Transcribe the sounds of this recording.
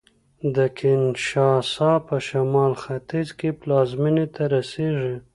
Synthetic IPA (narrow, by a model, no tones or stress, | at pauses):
d̪əkʰɪnʃɑsɑpəʃamɑlxat̪izkeplɑzminet̪ʰaɾaseʐi